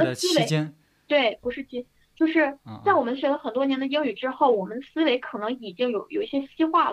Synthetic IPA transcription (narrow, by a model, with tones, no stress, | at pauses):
se˧˥ | t̪we˥˩ɪpu˧˥ʂɻ̩˥˩t͡ɕi˥ | t͡ɕjo˥˧ʊʂɻ̩˥˧t͡sa˥˩ɪwɔ˨˩mə˦nɕɥɛ˧˥lə˧xə˨˩nt̪wɔ˥njɛ˧˥nd̪ə˧i˥ŋy˨˩ʈ͡ʂɻ̩˥xo˥˩ʊwɔ˨˩mə˦nəsɹ̩˥we˧˥ɪkʰɤ˨˩nɤ˧˥ŋi˨˩t͡ɕi˥ŋjo˨˩ʊjo˨˩ʊi˥˩ɕjɛ˥ɕi˥xwa˥˩l